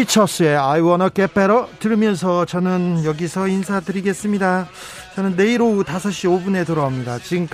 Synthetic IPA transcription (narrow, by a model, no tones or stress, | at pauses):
it͡ɕʰʌs͈ɯe̞aiwʌnʌk͈epʰeɾʌtɯɾmjʌns̬ʰʌt͡ɕʌnɯnjʌɡisʰʌinsʰadɯɾiɡe̞s͈ɯmɲida | t͡ɕʌnɯnːe̞iɾotasʰʌɕ͈iobune̞tɯɾʌamɲidat͡ɕiŋk